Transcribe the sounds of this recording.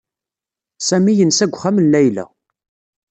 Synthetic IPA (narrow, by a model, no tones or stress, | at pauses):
sæmijənsæɡʷχæmənlæjlæ̰